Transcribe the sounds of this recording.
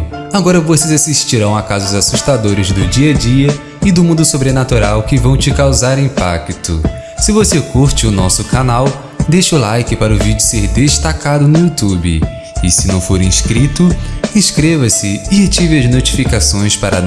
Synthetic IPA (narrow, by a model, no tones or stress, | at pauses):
aɡɔɾɐvosezasiʃt͡ʃiɾɐ̃w̃akazʊzasuʃt̪ad̪oɾɪzd̪ʊd͡ʒiɐd͡ʒiɐ | ɪd̪ʊmũd̪ʊsobɾenat̪uɾawkɪvɐ̃w̃t͡ʃɪkawzaɾĩpa̰kt̪ʊ̰ | sɪvosekuɾt͡ʃɪʊnɔsʊkanaw | d̪ejʃɐʊlajkɪpaɾɐʊvid͡ʒʊseɾd̪eʃt̪akad̪ʊnʊut̪ubɪ̰ | ɪsɪnɐ̃w̃foɾĩskɾit̪ʊĩskɾevɐsɪɪt͡ʃivɪɐznot͡ʃi̥fikasõj̃spaɾɐ̰